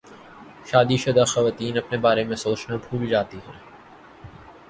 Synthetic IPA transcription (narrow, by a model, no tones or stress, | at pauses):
ʃaːd̪iʃɐd̪axɐʋaːt̪iːnɐpnebaːɾemẽsoːt͡ʃnabʱuːld͡ʒaːt̪iɦɛ̰̃ː